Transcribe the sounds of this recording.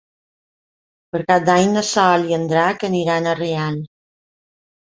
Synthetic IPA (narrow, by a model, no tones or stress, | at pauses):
pəɾkap̚d̪aɲd̪əsɔliənd̪ɾakəniɾanəreal